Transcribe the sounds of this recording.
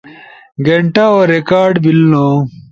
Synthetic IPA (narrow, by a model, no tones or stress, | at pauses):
ɡeɳʈaoːɾekaːɾɖbilno